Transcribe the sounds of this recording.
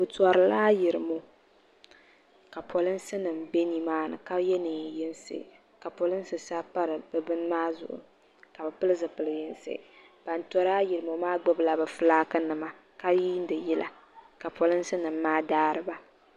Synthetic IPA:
bɨ˨tɔ˨ɾɨ˨laː˦jɪ˨ɾɨ˨mo˨ | ka˨pʰɔ˨lɨ˦n̩˦sɨ˦nɨ˨m̩˨be˦ni˦maː˦nɨ̰˨ka˦jɛ˦nɨ˨jɪ˦n˦sḛ˨ | ka˨pɔ˨lɨ˦n˦sɨ˨sa˦pa˦ɾɨ˨bɨ˨bɨ˦n˦maː˦zʊ̰˨ʔʊ̰˨ | ka˨bɨ˨pɨ˦lɨ˦zɨ˨pɨ˨lɨ˨jɪ˦n˦sḛ˦˨ | b̥a˨n˦tɔ˨˦ɾaː˦jɪ˨ɾɨ˨mo˨maː˦ɡ͡bɛ˦bla˨bɨ˨fɨ˦laː˦kɨ˦nɨ˨ma˨ | ka˦ji˦n̩˦dɨ˨jɛ˦lʔa̰˨ | ka˨pɔ˨lɨ˦n̩˦sɨ˦nɨ˨m̩ː˦aː˦daː˦ɾɨ˦ba˦

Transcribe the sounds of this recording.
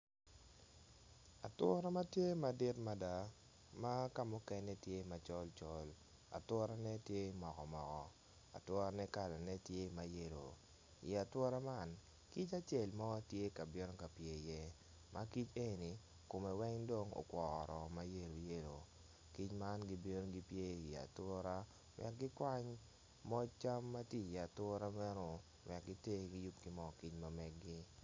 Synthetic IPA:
a˨twɔ˦ɾɔ˦ma˦tje˦ma˨dɪ˦tma˦da˨ | ma˦ka˦mʊ˦kɛ˦nɛ˦tje˦i˨ma˨t͡ʃɔ˦lt͡ʃɔ˦l | a̰˨twɔ˦ɾa˦nɛ˦tje˦i˨mɔ˨kɔ˨mɔ˨kɔ˨ | a̰˨twɔ˦ɾa˦nɛ˦ka˨la˨nɛ˦tje˦i˨ma˨je˦ɾo̰˨ | i˨a˨twɔ˦ɾɔ˦ma˦˨n | ki˦t͡ʃa˦t͡ʃɛ˨lma˦a˦tje˦ka˨bɪ˦nɔ˦ka˨pje˨jɛ˦ | mʔa˦ki˦t͡ʃe˦ni˨ | ko˨mɛ˨wɛ˦ŋdo˦ŋo̰˨kwɔ˨ɾɔ˨ma˦je˦˨ɾo˨je˦ɾo˨ | ki˦t͡ʃma˦nɡi˦be˦no˦ɡi˦pje˦i˨a̰˨twɔ˦ɾa˦ | wɛ̰˨k̚ɡɪ˦kwa˦ɲ | mɔ˦t͡ʃa˦mːa˦tji˦˨ja˨twɔ˦ɾa˦mɛ˦no˨ | wɛ˨k̚ɡɪ˦te˦ɡi˦ju˦p̚ɡɪ˦mɔ˦˨ki˦t͡ʃma˨mɛ˦ɡɡɪ˦

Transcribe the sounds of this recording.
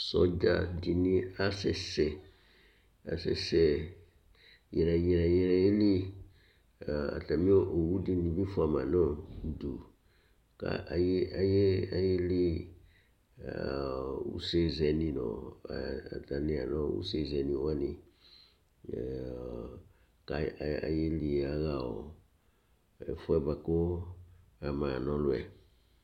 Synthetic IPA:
sɔ˨d͡ʒa̰˦˨di˨nĩ˦a˦sɛ˨sɛ˨ | a˨sɛ̰˨sɛ˦ | jɛ˨ɾɛ˨jɛ˨ɾɛ˨jɛ˦ɾɛ˨je˦li˦˨ | a̰˨ta˨mĩ˦o˦ʔo˨wu˦di˦nĩ˨bi˦fa˨ma˨nɔ̃˦˨du˨ | ka̰˨ʔa˨je˦a˨je˦a˨je˦li˦˨ | ṵ˦se˦zɛ˨nĩ˨nɔ̰̃˨ | a̰˨ta˨nĩ˨a˨nɔ̃˦ṵ˦se˦˨zɛ˨nĩ˨wa˦nĩ˨ | ka˨a˨je˦li˨a˦ɣa˨ɔ˨ | ɛ˨fu˦ɛ˦ba˨ko˦ | a˨mã˨nɔ̃˦lʊ˦ɛ˨

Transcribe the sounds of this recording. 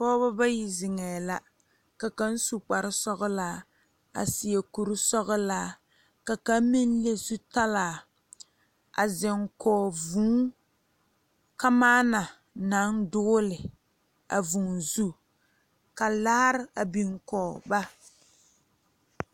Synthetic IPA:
fɔː˦ba˦ba˦ji˦zɪ˨ŋɛː˨la˨ | ka˨ka˦n̩˦su˦k͡pa˨ɾɪ˦sɔ˦ɣʊ˦laː˦ | a̰˨si˨je˨ku˨ɾsɔ˦ɣɨ˦laː˦ | ka˨ka˦m˦mi˦n˦le˦su˦ta˦laː˨ | a̰˨zɪ˨ŋkʰɔː˨vuː˦ | ka˦maː˦na˨ | na˨˦ŋdʊ˦lɪ˨ | a̰˨vu˨ŋzu˦ | ka˨la˦ɾɪ˦a˨bi˨ŋkɔ˨ba˦

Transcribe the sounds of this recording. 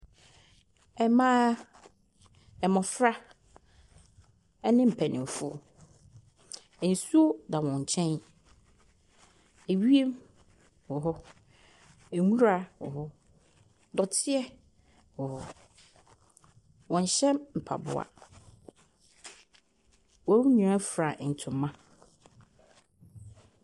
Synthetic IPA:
ɛ˨mãː˦ | ɛ˨mɔ̃˨fɾa˦ | ɛ˦nɪ̃˦m̩˨pʰæ˨nʔɪ̰̃˨m˨fʊ˦˨ | ɛ˨n̩˨su˦o˦da˨wɔ̃˨ɲ̩˨t͡ɕʰɛ̃˦n | e˨ɥi˦e˦m | hɔ˨ɦɔ˦ | e˨ŋũ˦ɾa˦wɔ˨hɔ˦ | dɔ˨tʰɪ˦ɛ˦ | hʊ˨hɔ˦ | wɔ̃˨ɲ˨ɕɛ̃˦mm̩˨pʰa̰˨bʊ̰˨a̰˨ | wɔ̃˨˦u˦ɲĩ˨ɾa˦fɾa˨n̩˨tʰʊ̃˨mːã˦

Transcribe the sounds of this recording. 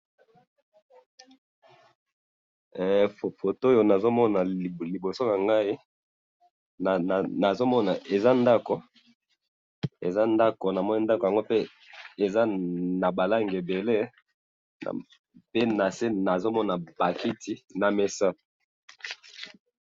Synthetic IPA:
fo˨fo˨to˦jo˨na˨zo˦mɔ˦na˨li˨bo˨so˦na˨ŋɡa˦i˦˨ | na˨zo˦mɔ˦na˨ʔe˨za˦nda˦ko˨ | e˨za˦nda˦ko˨na˨mɔ˦ni˦nda˦ko˨ja˨ŋɡo˦pe˦ | e˨za˦na˨ba˨la˦ŋɡe˨be˨lḛ˦˨ | pe˦na˨se˦na˨zo˦mɔ˦na˨ba˨ki˦ti˨˦na˨me˨sa˦

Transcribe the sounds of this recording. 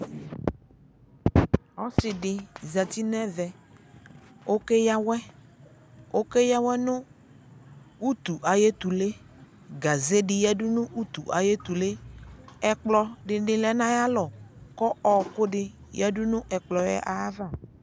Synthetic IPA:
ɔ˦sɪ˨ɖɪ˨za˨t̪i˦nɛ̃˦vɛ˨ | o˦ke˦ja˦wɛ˦ | o˦ke˦ja˦wɛ˦nʊ̃˦ | u˦t̪u˨ʔa˨je˦t̪u˨le˦ | ɡa˨ze˦ɖɪ˨jɛ˦dʊ˦nʊ̃˦ʔu˦t̪u˨ʔa˨je˦t̪u˨le˦ɛ˦k͡plɔ˦ɖɪ˨ɖɪ˨lɛ˦nã˦ja˦lɔ˨kɔ˦ɔ˨kʊ˦ɖɪ˦ | jɛ˦ɖʊ˦nʊ̃˦ʔɛ˨k͡plɔ˨jɛ̰˦ʔa˨˦va˦˨

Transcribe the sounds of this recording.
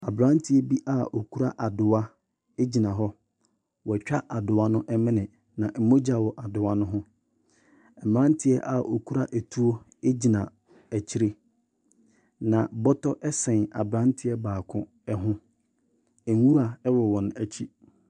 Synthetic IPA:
a˨bɾã˦n˦tʰɪ˦ɛ˦bi˦ʔa˨o˨kʰu˦ɾa˦ʔa˨dʊ˨a˦ | e˦d͡ʑi˨nã˨ɦɔ˦ | wɔ˨t͡ɕᶣa˦ʔa˨dʊ˨a˦nʊ̃˦ʔɛ˦mɪ̃˦nɪ̃˨ | nã˨ʔm̩˨˦mo˦d͡ʑa˨wɔ˨ʔa˨dʊ˨a˦nʊ̃˦ɦʊ̃˦ | ɛ˨m˨ɾã˦n˦tʰɪ˦ɛ̰˦ʔa˨ʔo˨kʰu˦ɾa˦ʔæ˨tʰu˦o˦ | e˦d͡ʑi˨nã˨ | æ˨t͡ɕʰi˦ɾe˦ | nã˨bɔ˦tʰɔ˦ʔɛ˦sɛ̃˨na˨bɾã˦ntʰɪ˦ɛ˦baː˨kʰʊ̃˨ | ɛ˦ɦʊ̃˦ | ɛ˨ŋ˦wu˦ɾa˨ɛ˦wɔ˨wɔ̃˨n˨æ˨t͡ɕʰi˦

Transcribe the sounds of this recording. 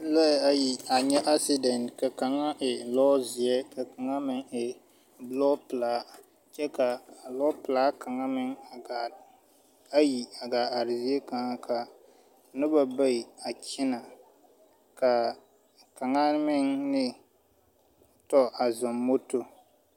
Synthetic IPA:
la˦˨a˨ji˨a˨ɲɛ˦ʔa˦si˦dɛ˨ntka˨ka˨ŋa˦ʔɪ˨lɔː˦zi˨ɛ˦ka˨ka˨ŋa˦mɪ˦ŋɪ˨ | blɔ˦pɨ˨laː˦ | t͡ʃɛ˦ka˨lɔ˦pɨ˨laː˦ka˨ŋa˦mɪ˦ŋ˨a˨ | a˦ji˨a˨ɡaː˨a˨ɾɪ˨zi˦ɛ˦ka˨ŋa˦ka˨ | nɨ˦ba˨ba˦i˨a˨kʰɪ˦na˨ | ka˨ | ka˨ŋa˦mɪ˦ŋnɪ˦ | tɔ˦a˨za˨mːo˦to˨

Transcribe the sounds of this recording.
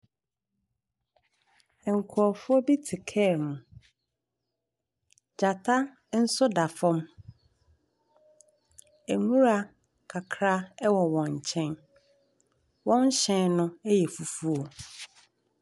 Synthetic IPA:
ɛ˨ŋ̩˨kʰɔ˨fʊ˦ɔ˦bi˦tʰɪ˨kʰɛː˦˨mũ˨ | d͡ʑa˨tʰa˦ | n̩˦sʊ˦da˨fɔ̃˦m | æ˨ŋũ˦ɾa˨ | kʰa˨kʰɾa˦ɛ˦wɔ˨wɔ̃˨ɲ˨t͡ɕʰɛ̃˦n | wɔ̃˦ɲ˦ɕɛ̃˨nnʊ̃˦æ˦jɛ˨fu˨fu˦o˨

